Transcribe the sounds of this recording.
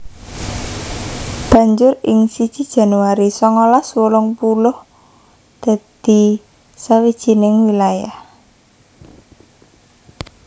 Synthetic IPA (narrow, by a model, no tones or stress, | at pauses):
b̥ä̤ɲd͡ʒʊɾɪŋsid̥ʒ̥i̤d̥ʒ̥a̤nuwaɾisɔŋɔlaswolɔŋpulʊh | d̪̥a̤d̪̥i̤ | sawid̥ʒ̥i̤nɪŋwilajah